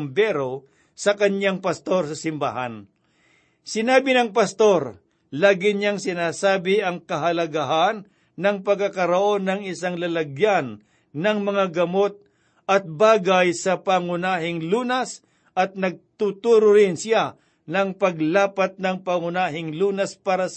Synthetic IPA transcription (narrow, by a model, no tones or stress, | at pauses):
mbɛɾo | sɐkɐnjaŋpɐst̪o̞ɾsɐsɪmba̰ɦa̰n | sɪnaːbɪnɐŋpɐst̪o̞ɾ | laːɡɪɲaŋsɪnaːsaːbɪɐŋkɐɦɐlɐɡaɦanː | ɐŋpɐɡ̚kakɐɾoʔo̞nːɐŋɪsaŋlɐlɐɡjanː | ɐŋmɐŋaɡɐmo̞t̪̚ | ɐt̪̚baːɡajsɐpaŋʊnaːɦɪŋluːnɐs | ʔɐt̪̚nɐɡ̚t̪ut̪uːɾʊɾɪnsja | nɐŋpɐɡlaːpɐt̪̚nɐŋpaŋʊnaːɦɪŋluːnɐspaːɾɐs